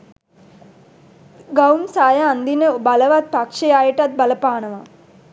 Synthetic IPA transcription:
ɡawmsaːjaːand̪inəbaləʋat̪̚pakʂejaːjəʈat̪̚baləpaːnəʋa

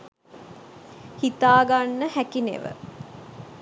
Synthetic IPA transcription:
hit̪aːɡanːəhækinḛʋə̰

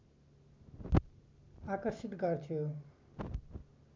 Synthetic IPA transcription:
akʌrsit̪ɡʌrt̪ʰijo

